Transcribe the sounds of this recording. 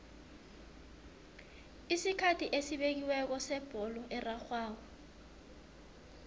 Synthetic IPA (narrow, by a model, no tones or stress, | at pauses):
isikʰatʰiʔesiɓek̬iwɛk̬ɔsɛb̥ʱɔlɔʔɛraxwaːw̬ɔ